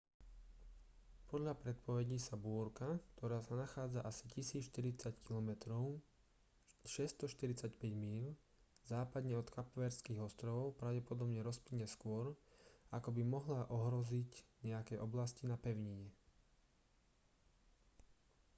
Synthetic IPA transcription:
pɔd̪ʎapɾɛt̪̚pɔʋɛɟisabʊɔɾkakt̪ʰɔɾaːsanaxaːd͡zaʔasi̥cisiːt͡sʃt̪iɾit͡sackilɔmɛt̪ɾɔʊ | ʃɛst̪ɔʃt̪iɾit͡sacpɛɟmiːl | zaːpad̪ɲɛɔt̪kapʋɛɾskiːɣɔst̪ɾɔʋɔʊpɾaʊɟɛpɔd̪ɔbɲɛɾɔspliɲːɛskʊɔɾakɔbimɔɦlaʔɔɦɾɔzicɲɛakɛʔɔblascinapɛʊɲiɲɛ

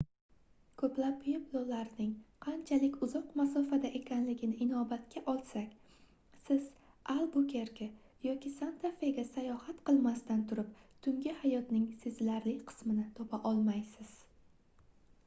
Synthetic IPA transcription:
kʰɵplapjeblˠolaɾnɪŋqʰɑnt͡ʃʰalɪkʲʊzɒqmasɒfad̪aʔe̞kʲʰanlɪɡʲɪnɪʔɪnɒbat̪kʲʰaʔɒlˠsakʲ | sɪz̥ | alˠbukʰʲeɾkʲa | jɒkʲʰisant̪ʰafeɡʲasajɒhat̪qɨlˠmast̪ant̪ʰʊɾɪp̚t̪ʰʊŋɡʲɪhajɒt̪nɪŋsɪzlaɾlɪkʲqʰɨ̥smɪnɪt̪ʰopʰaʔɒlˠmajsɪz̥

